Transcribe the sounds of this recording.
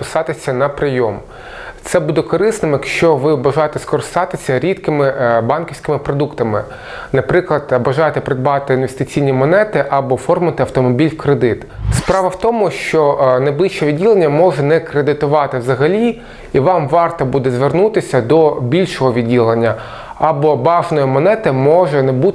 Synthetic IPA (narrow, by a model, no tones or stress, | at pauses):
pɪsɑt̪ɪsʲɐnɐpɾɪjɔm | t̪sɛbud̪ɛkɔɾɪsnɪmjɐkʃt͡ʃɔʋɪbɐʒɑjet̪ɛskɔɾɪst̪ɑt̪ɪsʲɐɾʲit̪kɪmɪbɑnkʲiwsʲkɪmɪpɾɔd̪ukt̪ɐmɪ | nɐpɾɪklˠɐd̪̥bɐʒɑjet̪ɛpɾed̪̚bɑt̪ɪinʋest̪ɪt͡sʲijnʲimɔnɛt̪ɪʔɐbɔfɔrmʊɐt̪ɪɐwt̪ɔmɔbʲilʲwkɾed̪ɪt̪spɾɑʋɐwt̪ɔmʊʃt͡ʃɔnɐjblˠiʃt͡ʃɛʋʲid̚ʲilˠenʲːɐmɔʒɛnɛkɾed̪ɪt̪ʊʋɑt̪ɪwzɐɦɐlʲi | iʋɑmʋɑrt̪ɐbud̪ɛzʋernut̪ɪsʲɐd̪ɔbʲilʲʃɔɦɔʋʲidʲilˠenʲːɐ | ɐbɔbɑʒnɔjimɔnɛt̪ɪmɔʒɛnɛbu